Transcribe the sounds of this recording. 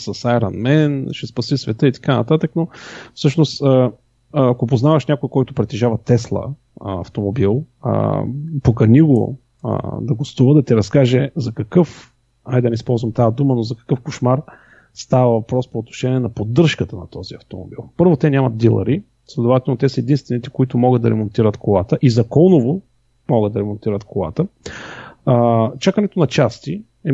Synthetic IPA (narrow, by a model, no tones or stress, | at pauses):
sɐsajɾɐnmɛnʃɛspɐsisvɛt̪əit̪ɐ̥kanɐt̪at̪əknofsɤʃnost̪əː | kopoznavɐʃnʲakojkɔjt̪ʊpɾɛt̪ɛʒavɐt̪ɛslˠə̰ | ɐ̰ft̪omobil̰ˠ | pokɐniɡo̰ | ə̰d̪ɐɡost̪uvəd̪ɐt̪iɾɐskaʒɛzɐkɐkɤf | ajd̪ɐnɛispɔlˠzvɐmt̪ajəd̪umənozɐkɐ̥kɤfkoʃmaɾ | st̪avɐvɐpɾɔspoːt̪no̥ʃɛniɛnɐpod̪ːɤɾʃkət̪ənɐt̪ɔziɐft̪omo̰bḭlˠpɤɾvot̪ɛnʲamɐt̪̚d̪ilˠɐ̰ɾi | slʲɛd̪ovat̪ɛlˠnot̪ɛsəɛd̪inst̪vɛnit̪ɛ̥koit̪ʊmɔɡəd̪d̪ɐɾɛmont̪iɾət̪kolˠat̪əʔizɐkɔlˠnovo | mɔɡəd̪ɐɾɛmont̪iɾət̪kolˠa̰t̪ə | t͡ʃakənɛt̪onɐt͡ʃast̪i | ɛ